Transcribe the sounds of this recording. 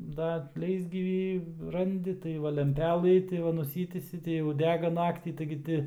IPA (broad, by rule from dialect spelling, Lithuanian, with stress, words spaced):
dɐ ˈlʲɛɪzʲɡʲiːʋʲiː ˈrɐnʲdʲɪ tɐɪ ˈʋɐ lʲɛmʲˈpʲæːlˠɨ tɐɪ ˈʋɐ nʊˈsʲiːtʲiːsʲɪ tɐɪ jɛʊ ˈdʲæːɡɐ ˈnɑːktʲiː tɐɪɡʲɪ ˈtʲɪ